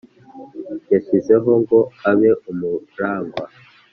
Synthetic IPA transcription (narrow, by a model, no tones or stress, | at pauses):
jefizeɦo̞ŋɡo̞aβeʔumuɾaːŋɡwa